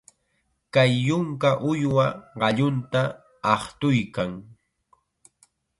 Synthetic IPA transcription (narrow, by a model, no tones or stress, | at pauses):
kajːʊŋkaʔʊjwaɢɑʎʊnt̪aː | χt̪ʊjkaŋ